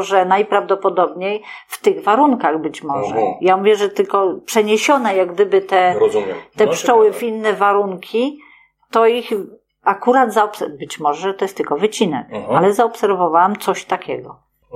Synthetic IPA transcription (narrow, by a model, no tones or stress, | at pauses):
ʐɛnajpɾavd̪ɔpɔd̪ɔbɲejft̪ɘɣvaɾuŋkaɣbɘt͡ɕmɔʐɛ̰jamuvʲjɛʐɛt̪ɘlkɔpʂɛɲeɕɔnɛjaɡd̪ɘbɘt̪ɛ | t̪ɛpʂt͡ʂɔwɘvinːɛvaɾuŋkʲi | t̪ɔix | akuɾad̪zaɔpsɛbɘt͡ɕmɔʐɛʐɛt̪ɔjɛst̪lkɔvɘt͡ɕinɛkalɛzaɔpsɛɾvɔvawamt̪sɔɕt̪akʲɛɡɔ̰